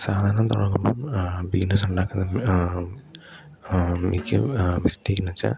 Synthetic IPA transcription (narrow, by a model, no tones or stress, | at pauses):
saːd̪ʱaːɾɐnɐmt̪uɽɐkːumbombiɡnɐs̬uɳɖaːkːunːɨ | mikʲːɨ̰misteːkʲːinɐt͡ɕːa̰